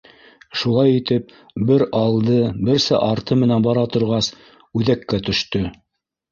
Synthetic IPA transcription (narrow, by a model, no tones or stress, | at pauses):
ʃulˠɑjit̪ɘp̚ | bɘɾɑlˠd̪ɤbɘ̆ɾsæ̰ʔɑɾt̪ɤmɘ̆nænbɑɾɑt̪ŏɾʁɑs | ʉðækːæt̪ɵ̆ʃt̪ɵ